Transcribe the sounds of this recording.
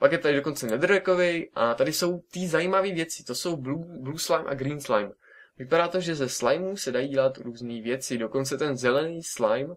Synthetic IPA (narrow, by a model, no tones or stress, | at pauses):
pakjɛt̪adɪdo̞ko̞nt͡sɛnɛd̪rʒɛkovɛjʔʔat̪adɪso̞wt̪ɪzajiːmaviːvjɛt͡sɪ̥t̪o̞so̞wblubluːslajmʔa̰ɡɾiːnslajm | vɪpaɾaːt̪o̞ʒɛzɛslajmuːsɛdajiːɟɛlat̪ɾuːzniːvjɛt͡sɪdo̞ko̞nt͡sɛt̪ɛnzɛlɛniːslajm